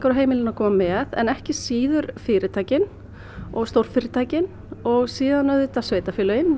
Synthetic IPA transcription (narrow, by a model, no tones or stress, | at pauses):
kaɾaɦeːjmɪlɪnakʰɔːmamɛːðɛ̰nɛhcɪsiːðʏɾfɪːɾɪt̪ʰaːjcɪn | ɔɣst̪owɾ̥fɪɾɪt̪ʰaːjcɪn | ɔɣsiːðanœðʏt̪asveːjt̪afɪːlœjɪn